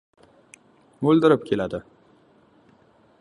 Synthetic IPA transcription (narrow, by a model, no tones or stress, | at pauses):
mɵld̪ɪɾɪpkʲʰe̞lad̪ɪ